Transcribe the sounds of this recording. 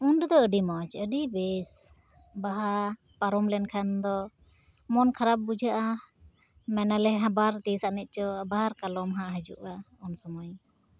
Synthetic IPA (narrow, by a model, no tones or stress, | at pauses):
unɖd̪ɔəɖimɔt͡ʃəɖibɛs | baɦaɾ | paɾɔmlɛnkʰand̪ɔ | mɔnkʰaɾap̚bud͡ʒaʔa | mɛnalɛɦãbaɾt̪isaʔnɛt̪̚ˀt͡ʃɔbaɦaɾkalɔmɦaʔɦəd͡ʒṵʔa | ɔnsɔmɔj